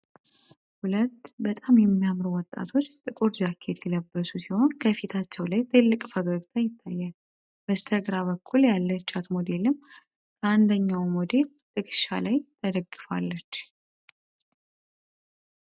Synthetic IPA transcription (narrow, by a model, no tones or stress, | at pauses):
hulət̪ːbət̪ʼamjɛmːijamɾuwɔt̪ʼːa̰t̪ʰo̞t͡ʃːt̪ʼɨkʼuɾd͡ʒakʰe̞t̪ʰjɛləbːəsusiho̞nkʰəfit̪ʰat͡ʃːɛwlajt̪ʰɨlːɨkʼfəɡəɡt̪ʰajɪt̪ʰːajːal | b̥əst̪ʰəɡɾaβəkʰːuljalːət͡ʃːat̪mod̪e̞lɨm | kʰəand̪əɲːawmod̪e̞l | t̪ʼɨkʼɨʃa̰lajt̪ʰəd̪əɡːɨfa̰lːət͡ʃː